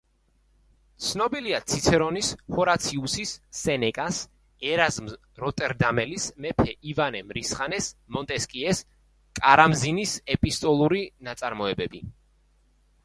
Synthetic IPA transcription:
t̪sʰnɔbiliat̪sʰit̪sʰɛɾɔnishɔɾat̪sʰiusisːɛnɛkʼas | ɛɾazm | ɾɔt̪ʼɛɾd̪amɛlismɛpʰɛʔivanɛmɾisχanɛsmɔnt̪ʼɛskʼiɛs | kʼaɾamzinisɛpʼist̪ʼɔlˠuɾinat̪sʼaɾmɔɛbɛbi

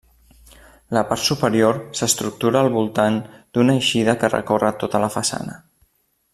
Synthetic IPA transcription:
ləpaɾt̪supəɾioɾsəst̪ɾuk̚t̪uɾəːlˠβulˠt̪and̪unəjʃiðəkərə̰korət̪ot̪ələfəsa̰nə

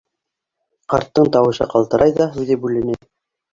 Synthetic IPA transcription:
qɑɾt̪ːɤɴt̪ɑwɤ̆ʃɤ̰qɑlˠt̪ɤ̆ɾʔɑjðɑɦʉðɘbʉlɘ̆nɘ

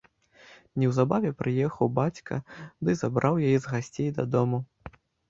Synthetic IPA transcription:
nʲɛwzabavʲɛpɾɨjɛxɐwbat͡sʲkɐ̰d̪ɨzabɾʔawjajɛzɣasʲt͡sʲejd̪ɐ̰d̪ɔmu

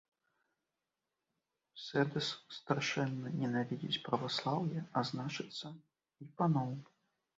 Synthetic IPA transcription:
sɛd̪ɛsːt̪aʂɛnːɐnʲɛnavʲid͡zʲit͡sʲpɾɐvaslˠawjɛaznat͡ʂɨt̪sːɐ | ipanɔw

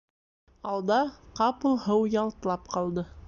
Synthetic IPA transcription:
ɑlˠd̪ɑqɑpɤ̆lˠhɤwjɑlˠt̪̆lˠɑp̚qɑlˠd̪ɤ

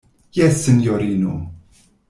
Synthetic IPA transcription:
jæsənjoɾinṵ

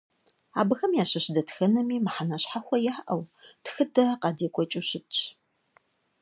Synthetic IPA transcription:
a̰ːbɨxɐmjaːɕɐɕdɐtxɐnɐmiːmħanɐɕħaxʷɐjaːʔɐwtxɨdɐqɑdeːkʷʰʼɔt͡ʃʼuɕɪt͡ʃʰʼ

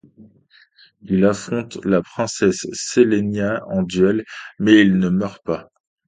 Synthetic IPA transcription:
ilafχɔ̃t̪lapχɛ̃sɛsːelenjaɑ̃d̪ɥɛlmɛilnəmœʁpa

